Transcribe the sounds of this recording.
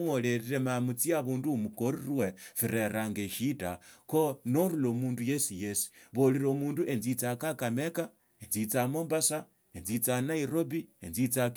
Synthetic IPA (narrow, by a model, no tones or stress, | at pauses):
woleɾiɾe̞mamut͡siaβuːndumukoɾirwe̞fiɾe̞ɾaŋɡeʃitakonoɾulomuːnduje̞sijesi̥βoliɾomuːnduʔe̞nzit͡sakakameka | enzit͡samoːmbasa | enzit͡sanaiɾo̞bienzit͡sa